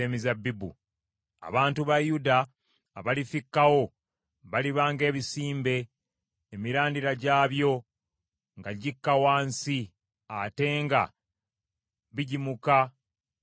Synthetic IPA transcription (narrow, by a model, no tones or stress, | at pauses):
eːmizabːibṵ | a̰βaːntuβajudaː | βalifikːawo̞ | βaliβaːŋɡe̞ːβisiːmbe̞ː | miɾaːndiɾaɟaːβjo̞ | ŋɡaɟikːawaːnsi | ate̞ːŋɡa̰ | βiɟimuka